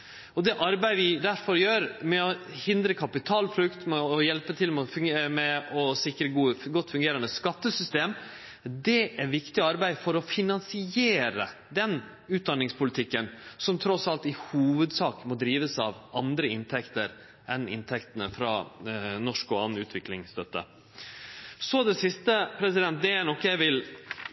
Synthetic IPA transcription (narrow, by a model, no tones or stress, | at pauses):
ɔd̪ɛʔɑɾbæɪʋɪd̪æɾfɔɾjøːɾmɛɔhɪnd̪ɾəkʰɑpɪt̪ʰɑːlpʰɾʉkt̪mɛɔjɛlpət̪ʰɪlmɛɔfmɛɔsɪkɾəɡuːəɡɔt̪ːfʉŋɡeːɾɑnəskɑt̪ːəsʏst̪eːm | d̪ɛʔæɾʋɪkt̪ɪɑɾbæɪfɔɾɔfɪnɑnsɪeːɾə̰ | d̪ɛn | ʉːt̪̚d̪ɑnːɪŋspʰʊlɪt̪ʰɪkːənsɔmt̪ʰɾɔsɑlt̪ɪhuːʋəd̪sɑːkmɔd̪ɾiːʋəsɑʋɑnd̪ɾəɪnt̪ʰɛkt̪əɾ | ʔɛnɪ̰nt̪ʰɛkt̪ənəfɾɑnɔʂkɔɑnʉ̰ːt̪ʰʋɪklɪŋst̪œt̪ːə̰ | sɔd̪ɛsɪst̪əpʰɾɛsɪd̪ɛnt̪̚d̪ɛænɔkːəjæɪʋɪl